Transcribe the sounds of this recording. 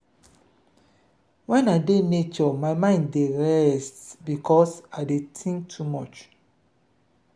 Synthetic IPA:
wɛ̃naɪdenet͡ʃɔmaɪmãɪ̃nddeɹɛstbikʰɔsaɪdetʰĩŋk̚tʰumɔt͡ʃ

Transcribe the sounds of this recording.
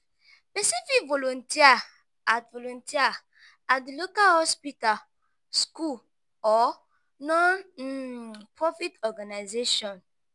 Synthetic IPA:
spesifikvolɔ̃ntʰia | atvolɔ̃ntia | atlokalhɔspital | sku | ɔ | nɔ̃n | pɹɔfitɔɡanajzeʃɔ̃n

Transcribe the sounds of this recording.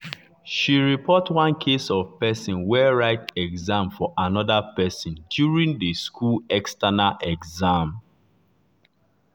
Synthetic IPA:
ʃiɹipʰɔtwãnkʰesɔv̥pɛsɔ̃nwɛɹaɪtɛɡzãmfɔʔanɔðapɛsɔ̃ndjuɹĩŋdəskʰulɛkstanaʔɛɡzãm

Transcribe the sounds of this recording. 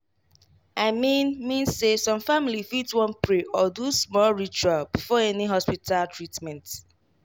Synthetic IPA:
aɪmĩnmĩnsesɔ̃mfamilifitwɔ̃npɹeʔɔdusmɔlɹit͡ʃualbifɔɛniɦɔspitʰaltʰɹitmɛ̃nt

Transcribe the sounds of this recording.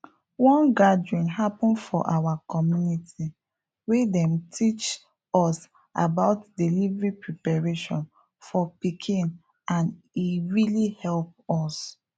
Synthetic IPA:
wɔ̃nɡadɹĩnɦapɔ̃nfɔ̰ʔawakɔmjunitʰi | wedɛ̃mtʰit͡ʃ | ɔs | a̰baʊtdilivɹipɹipaɹeʃɔ̰̃n | fɔpikʰĩn | ãn | iɹilihɛlp̚ɔs

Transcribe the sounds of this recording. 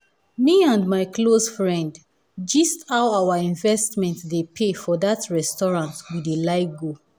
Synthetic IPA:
miãndmaɪkʰlosfɹɛ̃nd | d͡ʒʌstawawəĩnvɛstmɛ̃ntdepʰefɔðatʰɹɛstɔɹãntwidelaɪɡo

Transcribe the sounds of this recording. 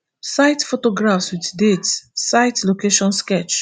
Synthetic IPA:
saɪtfotoɡɹafswitdetsaɪtlokeʃɔ̃nskɛt͡ʃ

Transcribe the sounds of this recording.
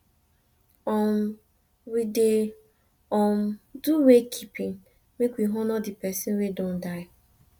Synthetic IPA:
ɔm | wide | ɔm̩duwekʰipĩŋ | mekwiɦɔnɔdɪpɛsinwedõn̩daɪ

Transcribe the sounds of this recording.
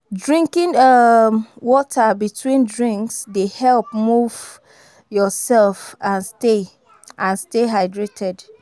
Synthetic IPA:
dɹĩŋkĩnʌmwɔtʰabitʰwĩndɹĩŋksdehɛlˠp̚muv | jɔsɛlfãnste | ʔãnsteɦaɪdɹetʰɛd

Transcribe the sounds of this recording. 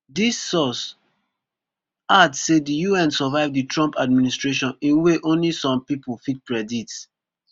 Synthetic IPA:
disːɔs | adssedijuɛ̃nsɔvaɪvditɹɔ̃mpad̚ministɹeʃɔ̃nĩnweʔõnlisɔ̃mpipulfit̚kɹɛdits

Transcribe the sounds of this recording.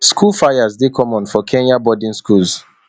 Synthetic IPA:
skʰulfajazdekʰɔ̃mɔ̃nfɔkʰɛ̃njabɔdĩnskulz

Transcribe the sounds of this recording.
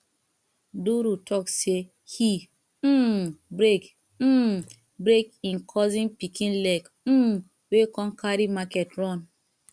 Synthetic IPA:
duɾutʰɔkse | hi | bɾek | m̩ | bɾekĩnkʰɔzĩnpikʰĩnlɛk̩ | wekɔ̃nkʰaɾimakɛtɾɔn

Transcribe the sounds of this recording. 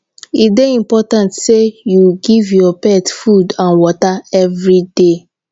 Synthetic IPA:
ideĩmpɔtãntsejuɡivjɔpɛtfudãnwɔtaɛvɹide

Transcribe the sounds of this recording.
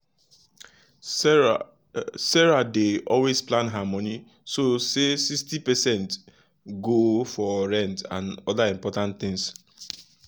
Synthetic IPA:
sɛɹadeʔɔlwezplãnɦamɔni | sosesikstipɛsɛ̃nt | ɡofɔɹɛ̃ntã̰nɔdaĩmpɔtãntθɪ̃ŋs

